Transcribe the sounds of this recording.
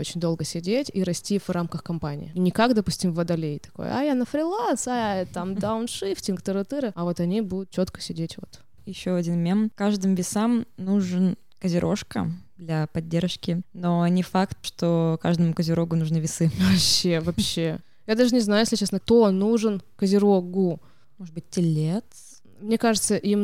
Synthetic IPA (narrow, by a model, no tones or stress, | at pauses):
ot͡ɕɪnʲd̪o̞lˠɡəsʲɪdʲetʲiɾɐsʲtʲivrʔamkəxkɐmpanʲɪ̰ɪnʲɪkakd̪ɐpusʲtʲɪmvɐd̪ɐlʲejt̪ɐ̥ko̰ja̰janəfɾʲɪlˠansat̪amd̪aʊnʂɨftʲɪnkt̪əɾɨt̪ɨɾɨɐvo̞t̪ɐnʲibud̪ʊt̪̚t͡ɕo̞t̪kə̥sʲɪdʲetʲvo̞̰t̪ | jɪɕːoɐdʲinmʲemkaʐd̪ɨmvʲɪsamnuʐɨn | kəzʲɪɾʔo̞̰ʂkə̰d̪lʲɐpɐdʲːerʂkʲɪnonʲɪfakt̪̚ʂt̪oka̰ʐd̪əmʊkəzʲɪɾo̞ɡʊnuʐnɨvʲɪsɨvɐpɕːevɐpɕːe | jad̪aʐɨnʲɪznajʊjeslʲɪt͡ɕesnək̚t̪onuʐɨnkəzʲɪɾoɡu | moʐɨd̪bɨt̚ʲtʲːɪlʲet̪ | mnʲe̞kaʐɨt̪səʔim